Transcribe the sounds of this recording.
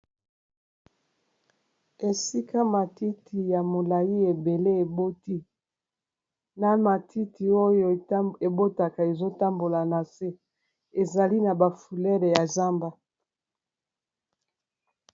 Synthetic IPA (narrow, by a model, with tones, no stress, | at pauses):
e˨si˦ka˦ma˨ti˦tʰi˨ja˨mo˨la˨ji˦e˨be˨le˦e˨bo˦ti˦ | na˦ma˨tʰi˦tʰi˨o˦jo˨˦e˨bo˦ta˨ka˨e˨zo˦ta˦mbo˨la˨na˨se˦ | e˨za˨li˦na˨ba˨fu˨lɛ˦le˨ja˨za˦mba˦